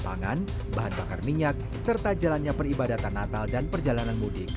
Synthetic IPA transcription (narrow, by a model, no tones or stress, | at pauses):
t̪aŋa̰n | baɦanbakarmiɲak̚ | sərt̪ad͡ʒalanɲapəribadat̪anːat̪aldanpərd͡ʒalananmudɪk̚